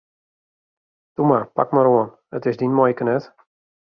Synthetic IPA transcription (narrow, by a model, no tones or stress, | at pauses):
tumapa̰kmaɾoən | ətɪsdinmɔjkənɛt